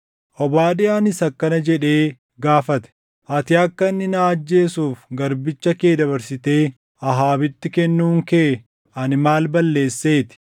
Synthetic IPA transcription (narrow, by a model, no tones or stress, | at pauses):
ʔɔbaːᶑɪaːnɪsɐkːɐnɐd͡ʒɛᶑe̞ː | ɡaːfɐt̪ɛ̥ | ʔɐt̪ɪɐkːɐnːɪnaːɐd͡ʒːe̞ːsuːfɡɐɾbɪt͡ʃːɐkeːd̪ɐβɐɾsɪt̪e̞ː | ɐɦaːbɪt̪ːɪkɛnːuːŋkeː | ɐnɪmaːlbɐlːe̞ːsːe̞ːt̪ɪ̥